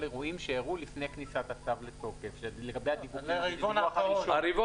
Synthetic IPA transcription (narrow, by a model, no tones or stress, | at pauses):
leʁuimʃeːʁulifne̞jknisat̪asavlet̪o̞kefʃeleɡabe̞jhad̪ivuɡivonaaʃaɾivo